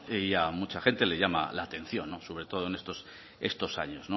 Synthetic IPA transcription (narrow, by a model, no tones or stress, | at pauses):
iamut͡ʃaxe̞nt̪e̞le̞ʝama̰laːt̪e̞n̟θjo̞nːoso̞β̞ɾe̞t̪o̞ð̞oene̞st̪o̞s | e̞st̪o̞saɲo̞zno